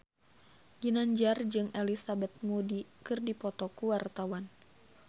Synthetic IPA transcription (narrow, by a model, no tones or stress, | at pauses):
ɡinaɲd͡ʒard͡ʒɨŋelisabɛt̪̚mudikɨrdipɔt̪ɔkuwart̪awan